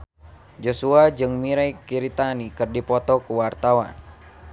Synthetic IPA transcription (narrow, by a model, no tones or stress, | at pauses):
d͡ʒosuad͡ʒɨŋmiɾaikiɾit̪anikɨrdipɔt̪ɔkuwart̪awa̰n